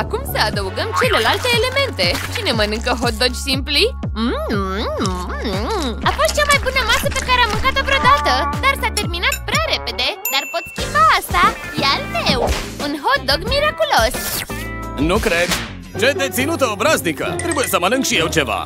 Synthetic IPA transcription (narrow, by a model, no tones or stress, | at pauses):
akumsəəd̪əʋɡəmt͡ɕeləlalt̪eːlemẽnt̪et͡ɕinemənɨŋkəɦod̪əd͡ʒsimpli | m | apɔɕt͡ʃamajpunəmasəpekaɾaməŋkat̪əpɾɔd̪at̪əd̪aɾsat̪eɾminat̪pɾeɾeped̪ed̪aɾpət̪kibaːsa | jalmewmunɦod̪əɡmiɾakuləs | nukɾet̪ | t͡ʃəjt̪ẽt͡sinut̪əɔbɾaznikə̰t̪ɾibəsəmanəŋkɕiewt͡ʃeʋa̰